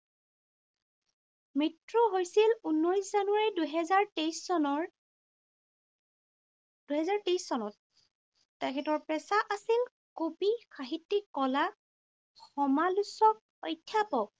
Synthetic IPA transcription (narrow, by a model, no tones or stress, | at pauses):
mitɹɔɦojsilunːojszanʊwaɹiduɦɛzaɹtejsɔnɔɹ | d̥uɦɛzaɹtejsːɔnɔtː | ɛkʰɛtɔɹpɹɛsaʔasil | kobixaɦitːikːɔla | xɔmalusɔk̚ | ɔjtʰːjapɔk̚